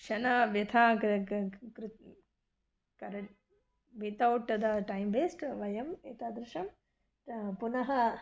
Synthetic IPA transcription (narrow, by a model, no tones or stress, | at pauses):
kʂɐnɐʋjɐt̪ʰaː | kɾu | kɐɾɐ | mit̪ɐwʈːɐd̪ɐʈɐjmbeːsʈʋɐjɐmeːt̪aːd̪ɾɪʃɐm | punɐɦɐ